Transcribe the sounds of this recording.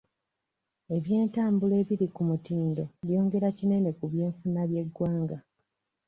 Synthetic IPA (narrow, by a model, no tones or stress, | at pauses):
e̞βje̞ːntaːmbule̞ːβiɾikumutiːndo̞ɾjo̞ːŋɡe̞ɾacine̞ne̞kuβje̞ːɱfunaβje̞ɡːwaːŋɡa